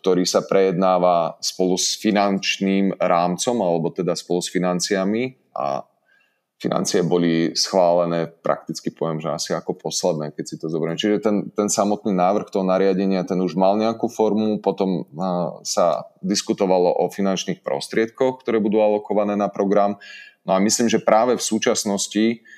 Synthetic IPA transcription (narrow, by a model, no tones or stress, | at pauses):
k̚t̪ɔɾiːsapɾɛjɛd̪naːʋaspɔlusfinant͡ʃniːmɾaːmt͡sɔmalɛbɔt̪ɛd̪aspɔlusfinant͡siami | a̰ | fina̰nt͡siɛbɔlisxʋaːlɛnɛːpɾʔa̰k̚t̪it͡skipɔʋɛmʒɛasiakɔpʰɔslɛd̪nɛːkɛcsit̪ɔzɔbɾɛmɛt͡ʃiʒɛt̪ɛnt̪ɛnsamɔt̪niːnaːʋr̩xt̪ɔɦɔnaɾɪaɟɛɲɪat̪ɛnuʒmalɲɛakufɔɾmupɔt̪ɔm | sa̰d̪iskut̪ɔʋalɔʔɔfinant͡ʃniːxpɾɔ̰st̪ɾɪɛt̪̚kɔxk̚t̪ɔɾɛːbud̪uːalɔkɔʋanɛːnapɾɔɡɾamnɔamisliːmʒɛpɾaːʋɛfsuːt͡ʃasnɔsci